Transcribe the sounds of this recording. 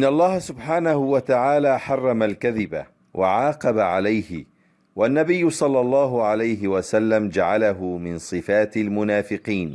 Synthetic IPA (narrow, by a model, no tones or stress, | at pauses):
ʔɪnːaʔlˤːɑːhasʊbħaːnahʊwat̪aʕaːlaːħɑrˤːɑmalkaðɪba̰ | wʔaʕɑːqɑbaʕalajhɪ | wanːabɪjːʊsˤɑlːɑlˤːɑːɦʊʕalajɦɪwasalːamd͡ʒaʕalaɦʊmɪnsˤɨfaːt̪almʊnaːfɪqiːn